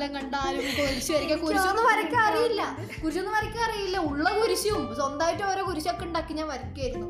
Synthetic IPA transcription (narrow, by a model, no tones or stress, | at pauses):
lɐŋɡɐɳɖaːlumːipːooɾit͡ɕːiʋɐɾɐikʲːɐkuɾiɕionːɨʋɐɾɐkʲːeɐrijilːɐ | kuɾiɕonːɨʋɐɾɐkʲːɐɐrijilːɐuɭːɐkuɾiɕiumsond̪aːʋitːɨoːɾoːkuɾiɕiokːeuɳɖaːkːiɲːaːnʋɐɾɐkʲːaːjiɾunːu